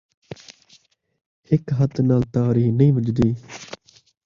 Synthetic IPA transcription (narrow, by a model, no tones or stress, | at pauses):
ɪkɦət̪naːlt̪aːɾiːnəĩːʋəd͡ʒd̪iː